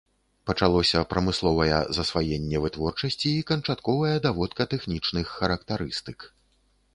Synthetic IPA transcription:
pɐt͡ʂalˠɔsʲɐpɾɐmɨslˠɔvɐjɛ̰zɐsvajɛnʲːɛvɨt̪vɔrt͡ʂɐsʲt͡sʲiːkɐnt͡ʂat̪kɔvɐjɛd̪avɔt̪kɐt̪ɛxnʲit͡ʂnɨxːɐɾɐkt̪aɾɨst̪ɨk

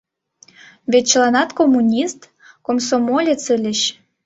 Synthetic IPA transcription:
βet̪̚t͡ɕəlɑnɑt̪komːunʲist̪ | komsomolʲet͡səlʲə̆ɕ

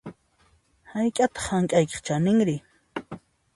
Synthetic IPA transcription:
hajkʼat̪ɑ̥χhaŋkʼajke̥χt͡ʃanɪŋɾɪ

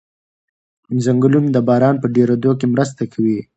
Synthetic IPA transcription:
zaŋɡəlund̪əbɑɾɑnpəɖeɾod̪okemɾəs̬t̪akʰawi

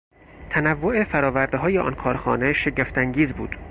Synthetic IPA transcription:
t̪ʰænævːo̞e̞fæɾɒːvæɾd̪eɦɒːje̞ʔɒ̰nkʰɒːɾxɒ̰ːne̞ʃe̞ɟeft̪ʰæŋɟiːzbuːd̪̥

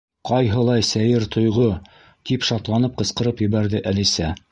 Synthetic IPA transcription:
qɑjɦɤ̆lˠɑjsæjɘɾt̪ʰŏjʁo | t̪ipʃɑt̪lˠɑnɤp̚qɤ̆sqɤ̆ɾɤpjɘ̆βæɾðɘʔælisæ

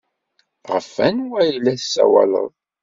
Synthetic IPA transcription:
ʁəfænwæjlːæθsːæ̰wælə̰ðˤ

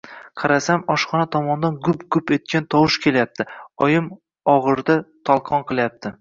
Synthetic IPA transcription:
qʰɑɾasamɒʃχɒnat̪ʰɒmɒnd̪anɡʊpɡʊpe̞t̪̚kʲant̪ʰɒwɪʃkʲʰe̞ljap̚t̪ʰɪɒjɪm | ɒʁɨɾd̪at̪ʰɒlˠqʰɒnqɨlˠajap̚t̪ʰɪ

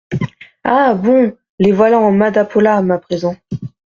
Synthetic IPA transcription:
abɔ̃ | levwalãɑ̃mad̪apʰɔlamapχezɑ̃

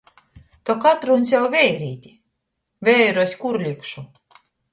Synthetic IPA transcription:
t̪ɔkat̪ɾunʲs̬ʲjawvʲɛjɾiːt̪ʲi | vʲɛjɾɔsʲkuɾlʲikʃu

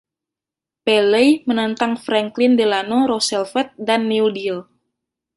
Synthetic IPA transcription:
pɛlɛjmənant̪aŋfɾaŋklɪndelanoɾosɛlfɛt̪̚danːiudil

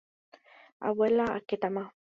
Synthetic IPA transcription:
a̰welaa̰ket̪ama

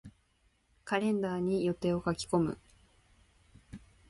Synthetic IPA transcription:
kaɾẽ̞nd̪aːɲ̟ijo̞t̪e̞ːo̞kakʲi̥ko̞mɯ̟̰

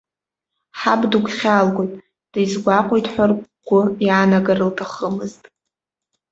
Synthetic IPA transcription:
ħabduɡʷʰʼχʲalɡʷojtʼ | d̥ajzɡʷaqʷʼojtʼħʷarɡʷʊjaːnaɡarɨltʰaχəmɨztʼ

